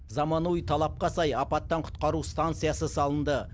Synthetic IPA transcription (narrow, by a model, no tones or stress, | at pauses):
zɑmɑnujt̪ʰɑlˠɑp̚qɑsɑjɑpɑt̪ːɑɴqʰʊ̥t̪̚qɑɾust̪ant̪sɨjɑsəsɑlˠənd̪ə